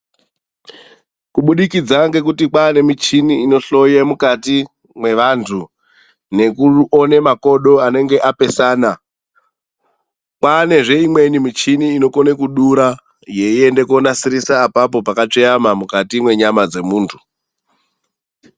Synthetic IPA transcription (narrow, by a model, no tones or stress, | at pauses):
kuɓuɗikid͡zaŋɡe̞k̬utikwaːne̞mit͡ʃiniːno̞ɬo̞jemukati | mwe̞ʋantʰu | ne̞kuone̞mako̞ɗo̞ane̞ŋɡe̞ʔape̞saːna | kwaːne̞ʐe̞imwe̞nimit͡ʃiniːno̞ko̞ne̞kuɗuɾa | je̞ie̞nde̞kuonasiɾisaːpap̬o̞pakat͡ʂejamamukatimwe̞ɲamad͡ze̞muːntʰu̥